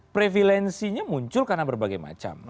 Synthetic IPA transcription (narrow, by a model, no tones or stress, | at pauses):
pɾefilɛnsiɲamuɲt͡ʃʊlkarnabərbaɡajma̰t͡ʃa̰m